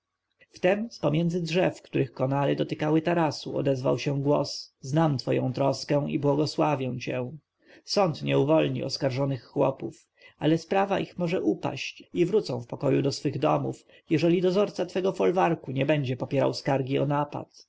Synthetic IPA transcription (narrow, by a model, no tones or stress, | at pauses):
ft̪ɛmspɔmʲjɛnd̪zɘdʐɛfkt̪uɾɘxkɔnaɾɘd̪ɔt̪ɘkawɘt̪aɾasuɔ̰d̪ɛzva̰wɕɛw̃ɡwɔ̰sznamt̪fɔjɔ̰̃w̃t̪ɾɔskɛ̃w̃ibwɔɡɔswavʲjɛ̃w̃t͡ɕɛ̃w̃ | sɔnt̪ɲɛuvɔlɲḭʔɔskaɾʐɔnɘxːwɔ̰puf | alɛspɾavaʔixmɔʐɛʔupa̰ɕt͡ɕivɾut̪sɔ̃w̃fpɔkɔjud̪ɔsfɘɣd̪ɔ̰muf | jɛʐɛlʲid̪ɔzɔɾt̪sat̪fɛɡɔfɔlvaɾkuɲɛbɛɲd͡ʑɛpɔpʲjɛɾa̰wskaɾɡʲiɔnapa̰t̪